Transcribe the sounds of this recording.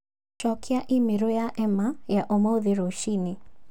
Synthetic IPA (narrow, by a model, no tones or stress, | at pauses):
ʃɔkʰɪaʔimeɾojaʔɛmajaʔomɔoðeɾoʃine